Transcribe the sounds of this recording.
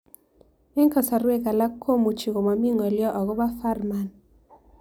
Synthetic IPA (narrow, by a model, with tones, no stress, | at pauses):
e˦ŋkɔ˨sa˨ɾwe˦ka˨la˦kʰːo˦mu˨t͡ʃi˨ko˨ma˨mi˦ŋɔ˨ljɔ˦ʔɔ˨ɣɔ˦ba˦fa˦rma˨n